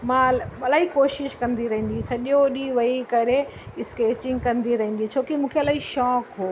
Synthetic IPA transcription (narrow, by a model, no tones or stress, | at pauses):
mãɐlaːikoːʃɪʃkɐ̃nd̪iɾɐɦĩːn̆d̪ĩsɐʄoɗiʋɐikɐɾe | ɪskeːt͡ɕɪ̃ŋɡkɐ̃nd̪iɾɐɦĩːn̆d̪ĩt͡ɕʰoːkimũːkʰeɐlaːiʃɔːkɦoː